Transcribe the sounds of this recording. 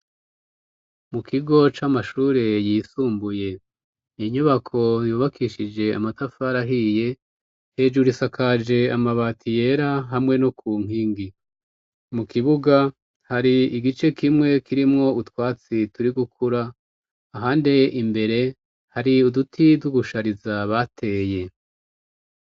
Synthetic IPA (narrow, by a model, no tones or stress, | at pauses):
mukʰiɡo̞t͡ʃamaʃuːɾejiːsuːmbuje̞ | iɲuβakʰo̞juːβakʰiʃid͡ʒe̞a̰matafaɾaɦije̞ | he̞ːd͡ʒuɾisakʰad͡ʒe̞amaβaːtʰije̞ɾaɦamŋe̞nokuːŋ̥iːŋɡi | mukiβuɡa | haɾiiɡit͡ʃe̞kimŋe̞kiɾimŋo̞utwaːt͡situɾiɡukʰuɾaː | ɦaːndeimbe̞ɾe̞ | haɾiudutʰiduɡuʃaɾizaβatʰe̞ːje̞